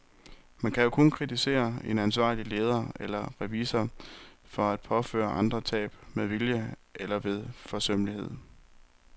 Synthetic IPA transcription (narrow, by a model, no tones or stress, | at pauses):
mænkʰæjo̝kʰɔ̽nkʰʁit͡sʰise̝̰ːɐe̝nænsʋɑ̰̈ːlile̝ːð̞ˠɐelɐʁɛʋiːsɐ | fɒ̽æd̥̚pʰɒ̽fø̰ːɐʔɑ̈nd̥ʁɐt͡sʰɛ̰ːb̥meðˠʋiljəelɐʋe̝ðˠfɒ̽søm̰lihe̝ð̞̰ˠ